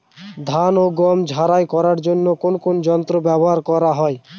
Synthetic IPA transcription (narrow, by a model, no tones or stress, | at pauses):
d̪ʱanoɡɔmd͡ʑʱaɾajkɔɾaɾd͡ʑonːokonokonod͡ʑɔnt̪ɾobɛboɦaɾkɔɾaɦɔe